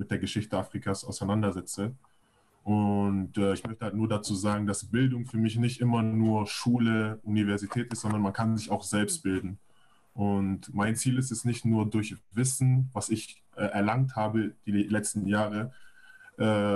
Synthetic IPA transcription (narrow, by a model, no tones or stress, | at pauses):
mɪt̚d̥eːɐɡəʃɪçtəafʁ̥ikʰaːsaʊsaɪnandɐzɛt͡sə | ʔʊntʔɛːɪçmœçtəhaltnuːɐdat͡suːzaːɡŋ̩dasb̥ɪldʊŋfyːɐmɪçnɪçtʔɪmɐnuːɐʃuːləʔunivɛɐzitʰɛːtɪstz̥ɔndɐnmankʰanzɪçaʊxz̥ɛlpst̚b̥ɪldn̩ | ʔʊntmaɪnt͡siːlɪstɛstnɪçtnuːɐdʊɐçvɪsn̩vasɪç | ʔɛːʔɛɐlaŋthaːbəd̥iːlɛt͡stn̩jaːʁə | ʔɛː